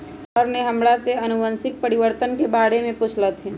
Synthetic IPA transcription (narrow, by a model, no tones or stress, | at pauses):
ɔɾneɦɐmɽaseɐnʊʋə̃nsɪk̚pɐɾɪʋəɾt̪ənkebaːɽemẽpʊt͡ʃʰlət̪ɦɛː